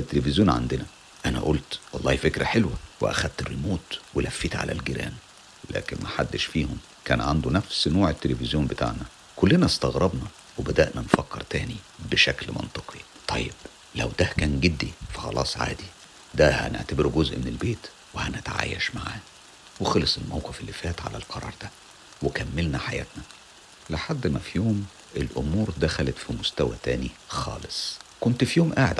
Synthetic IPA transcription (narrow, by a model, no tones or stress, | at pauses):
et̪ːelefezjoːnʕa̰nd̪enæ | ʔænæ̰ʔolt̪wɑlˤːɑːhifekɾæħelwæwḛʔæ̰xæd̪̚t̪elmoːt̪welʔæfːiːt̪ʕa̰læ̰lɡeɾæ̰ːn | læ̰ːkenmæħad̪ːeʃfiːhom | kæːnʕand̪unæfsnoːʕet̪ːelefɪzjoːnbet̪a̰ʕnæ | kolːenæst̪ɑɣɾˤɑbnɑ | webæd̪æ̰ʔnænfækːeɾt̪æːnibeʃæklmɑ̰nt̪ˤɨqʰi | t̪ˤʰɑjːeb̥ | læ̰wd̪ækæːnɡed̪ːifɑ̥xɑ̰lʔɑ̰ːsˤʕa̰ːd̪i | d̪æhæ̰nḛʕt̪æbeɾuɡozʔmenelbeːt̪ | wehænæt̪ʕa̰jæ̰ʃmaʕa̰ː | wexɑlɑsˤelmæwqefelːifæːt̪ʕa̰læ̰lqʰɑɾˤɑ̰ːɾˤd̪æ | wekæmːelnæħajæ̰ːt̪næ | leħad̪ːmæfijoːm | ʔelʔʊmuːɾd̪æxælæt̪fimost̪æwæ̰t̪æːnixɑ̰ːlesˤkont̪fijoːmʔaːʕḛd̪